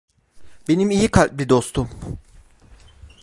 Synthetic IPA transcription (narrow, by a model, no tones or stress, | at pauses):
be̞nimijikʰalʲbid̪o̞st̪ʰum